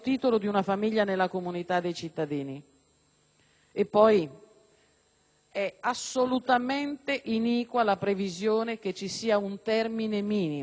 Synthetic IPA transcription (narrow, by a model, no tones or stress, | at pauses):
t̪iːt̪olod̪iunafamiʎːanelːakomunit̪ad̪ːejt͡ʃit̪ːad̪iːni | epːɔj | ɛasːolut̪ament̪eʔiniːkwalapɾevizjoːnek̟et͡ʃːisiːaunt̪ɛrminemiːni